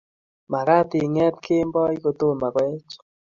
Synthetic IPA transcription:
ma˨ɾa˦t̪ɪ˨ŋɛ˦t̪kʰe˦mbɔ˦i˦ko˨t̪o˦˨ma˨kwɛ˦t͡ʃ

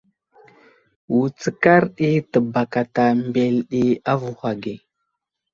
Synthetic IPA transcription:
wu˨t͡sə˨ka˦ɾɗi˦tə˨ba˨ka˨ta˨mbe˨lɗi˦a˦vu˨hʷa˨ɡi˨

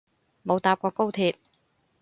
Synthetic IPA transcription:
mo˨˧wt̪aː˧p̚kʷɔː˧ko˥wt̪ʰiː˧t̚

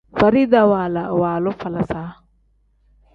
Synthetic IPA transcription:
fɐ˨ɾi˦d̪a˨waː˨la˨waː˨lɔ˦fɐ˨lɐ˨saː˦

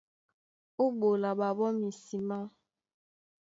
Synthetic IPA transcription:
u˦ɓo˨la˨ɓa˨bɔ˦mi˨si˨ma˦

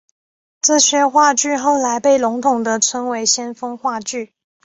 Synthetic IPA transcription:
ʈ͡ʂɤ˥˩ɕɥɛ˧˥xwa˥˧t͡ɕy˥˧xo˥˩ʊla˧˥ɪpe˥˩ɪlʊ˧˥ŋt̪ʰʊ˨˩ŋd̪ə˦t͡sʰwə˧˥nwe˧˥ɪɕjɛ˥nfɤ˥ŋxwa˥˧t͡ɕy˥˩

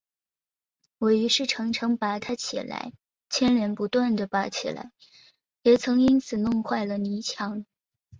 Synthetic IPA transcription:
wɔ˨˩ɪy˧˥ʂɻ̩˥˩ʈ͡ʂʰɤ˧˥ŋʈ͡ʂʰɤ˧˥ŋpa˧˥t̪ʰa˥t͡ɕʰḭ˨˩la̰˧˥ɪ | t͡ɕʰjɛ˥nljɛ˧˥npu˧˥t̪wa˥˩nd̪ə˩pa˧˥t͡ɕʰḭ˨˩la̰˧˥ɪ | jɛ˨˩t͡sʰɤ˧˥ŋi˥nt͡sʰɹ̩˨˩nʊ˥˧ŋxwa˥˩ɪlə˩ni˧˥t͡ɕʰjɑ˧˥ŋ

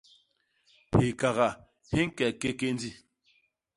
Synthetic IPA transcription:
he˨ka˨ɣa˨ | hi˦ŋ˦kɛ˨ke˦ke˦n˦di˦˨

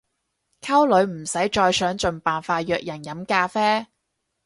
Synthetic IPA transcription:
kʰɐ˥wlɵ˨˧ɥm̩˨˩sɐ˨˥jt͡ʃɔː˧jsœː˨˥ŋt͡ʃɵ˨˧npaː˨nfaː˧t̚jœː˧k̚jɐ˨˩njɐ˨˥mkaː˧fɛː˥

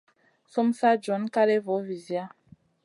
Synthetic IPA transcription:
so˦msa˦d͡ʒɔ˨˦nka˦le˦vo˨˦vi˨zja˦

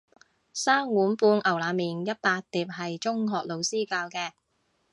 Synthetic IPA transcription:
saː˥ŋwuː˨˥npuː˧nʔɐ˨˩wlaː˨˥miː˨njɐ˥t̚paː˧t̚t̪iː˨˩p̚hɐ˨jt͡ʃʊ˥ŋɦɔː˨k̚lo˨˧wsiː˥kaː˧wkɛː˧

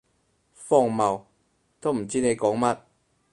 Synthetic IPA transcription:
fɔ˧˨ŋma˨˩w | t̪ʰo˥˨m̩˨˩t͡ɕi˦˥ne˨˧˦kɔː˨˦ŋma˧t̚

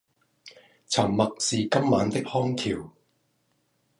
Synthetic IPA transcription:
t͡sʰɐ˨˩mːɐ˨k̚siː˨kɐ˥mːaː˨˧nt̪ɪ˥k̚hɔː˥ŋt̪ʰiː˨˩w

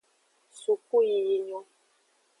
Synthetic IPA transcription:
su˨ku˦ji˨ji˨ɲɔ˦

